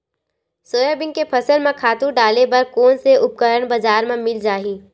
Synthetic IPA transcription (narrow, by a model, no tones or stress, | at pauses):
soːjəbɪ̃ŋɡkepʰɐsəɾmẽkʰaːt̪uɾɖaːlebɐɾkoːnseʊp̚kəɾəɳbɐd͡ʒaːɾmẽmɪld͡ʒaːɦiː